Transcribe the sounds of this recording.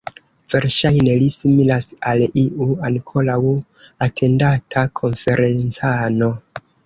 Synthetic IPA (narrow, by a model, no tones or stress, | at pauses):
v̥e̞ɾʃajne̞lisimilasaliuankʰo̞law | atʰe̞ndatʰakʰo̞nfe̞ɾe̞nt͡sano̞